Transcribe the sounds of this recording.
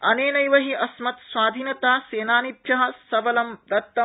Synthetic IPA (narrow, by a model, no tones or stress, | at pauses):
ɐneːnɐjʋɐɦiʔɐsmɐt̪sʋaːd̪ʱiːnjɐt̪aːseːnaːnit̪jɐɦɐ̆sɐʋɐlɐmd̪ɐt̪ːɐ